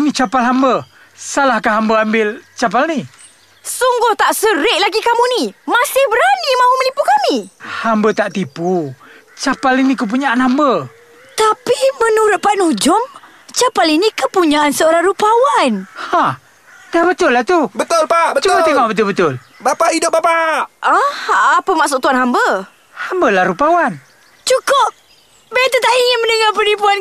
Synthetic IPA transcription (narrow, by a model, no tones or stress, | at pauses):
mit͡ʃapalɦambə | salahkaɦambəambɪlt͡ʃap̬alni | suŋɡʊht̪aʔsəɾɪʔ̚laɡikamunimasɪhbəɾanimãɦumənipukamihambət̪aʔt̪iput͡ʃapalinikəp̬uɲaʔanɦambə | t̪apimənuɾʊt̪̚paʔnud͡ʒʊm | t͡ʃapalinikəpuɲaʔansəoɾaŋɾupawanha | dahbət̪ʊlːaht̪ubət̪ʊlpaət͡ʃukat̪emaʔbət̪̬ʊlbət̪ʊl | bapaʔidʊp̚bapaʔaapəmaʔsʊʔ̚t̪uwanhɦambə | hambəlahɾupawan | t͡ʃukʊp̚ | bet̪ət̪aʔiŋɪnmə̃nəŋapənipuan